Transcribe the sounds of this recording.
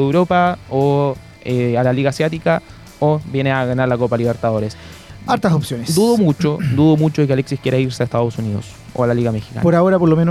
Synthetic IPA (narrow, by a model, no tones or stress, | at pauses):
ewɾopao | ealaliɣaːsjat̪ika | obje̞neaɣanaɾlakopaliβeɾt̪aðo̞ɾes | aɾt̪asopsjoned̪uðo̞mut͡ʃod̪uðomut͡ʃoðekealeksikjeɾaiɾseaest̪að̞osuniðo̰s | oalaliɣamexi̥ka̰apoɾaoɾapoɾlomeno